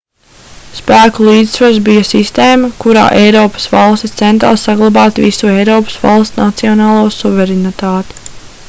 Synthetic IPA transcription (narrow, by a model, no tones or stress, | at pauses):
spæːkulˠiːd̪svaɾsbijɐsist̪eːmɐkuɾa̰ːʔɛjɾɔːpɐ̥svɑlˠst̪ist̪ɛnt̪ɾa̰ːsaɡlˠabɑːt̪vḭsuɛjɾɔːpə̥svɑ̰lˠst̪nat̪siɔnɑːlˠuɔsuvʲɛɾɛnit̪aːt̪ɪ̥